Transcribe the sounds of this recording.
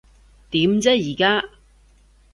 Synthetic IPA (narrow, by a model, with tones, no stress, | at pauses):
t̪iː˨˥mt͡sɛː˥jiː˨˩kaː˥